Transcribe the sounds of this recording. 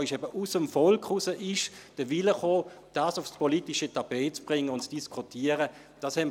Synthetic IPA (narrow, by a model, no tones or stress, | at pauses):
ɪʃɛbəʔusəmfɔlkχʊsəʔɪʃd̥əʋɪləχoː | d̥aːsʊfspɔlitiʃətʰab̥ɛːt͡sb̥ʁɪŋːəʊntt͡sd̥iskʰutʰiːəʁə | d̥ɑːshɛm